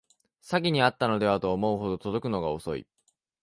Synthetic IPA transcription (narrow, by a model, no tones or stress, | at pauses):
saɡʲiɲ̟iat̪ːano̞d̪e̞β̞at̪o̞ːmo̞ɯ̟ɦo̞d̪o̞t̪o̞d̪o̞kɯ̟no̞ɡao̞so̞̰ḭ